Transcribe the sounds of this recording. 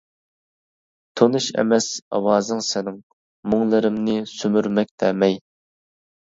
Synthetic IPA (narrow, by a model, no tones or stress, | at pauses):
t̪ʰonɨʃɛ̰mɛsɑ̰wɑːzɨŋsɛnɪŋ | muŋlˠɨɾɪmnɪsymyɾmɛk̚ʲd̪ɛːmɛj